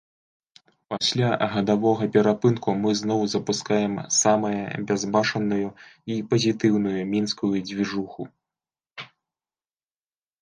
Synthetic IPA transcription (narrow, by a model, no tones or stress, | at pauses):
pasʲlʲaɣɐd̪avɔɣɐpʲɛɾapɨnkumɨznɔwzɐpuskajɛmsamɐjɐ̰bʲazbat͡ʂɐnujuipɐzʲit̪ɨwn̪ujumʲinskujud͡zʲvʲiʐuxu